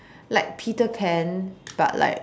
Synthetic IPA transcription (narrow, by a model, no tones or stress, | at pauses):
laɪk̚pʰitəpʰɛ̃nb̥a̰ʔla̰ɪk